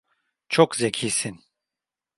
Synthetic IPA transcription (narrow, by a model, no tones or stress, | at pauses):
t͡ʃʰokzecʰiːsin